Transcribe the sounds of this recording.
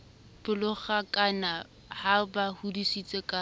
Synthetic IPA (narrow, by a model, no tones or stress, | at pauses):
b̥ʊlʊχakʼana | habahudisit͡sʼekʼa